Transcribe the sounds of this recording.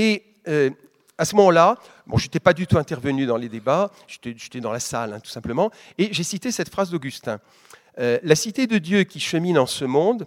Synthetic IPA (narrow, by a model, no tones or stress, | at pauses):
e | ø | asəmɔmɑ̃la | bɔ̰̃ʒet̪ɛpad̪yt̪uɛ̃t̪ɛʁvənyd̪ɑ̃led̪eba | ʒ̥et̪ɛʒet̪ɛd̪ɑ̃lasa̰lɛ̰̃t̪u̥sɛ̃pləmɑ̃ | eʒesit̪esɛt̪fχazd̪oɡʲyst̪ɛ̃ | ølasit̪ed̪əd̪jøkʲiʃəminɑ̃səmɔ̃d̪